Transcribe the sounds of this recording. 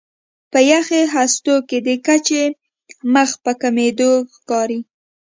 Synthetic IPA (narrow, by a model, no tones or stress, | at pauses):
pəjaxeɦast̪oked̪əkat͡ʃe | məxpəkamed̪oxkɑɾi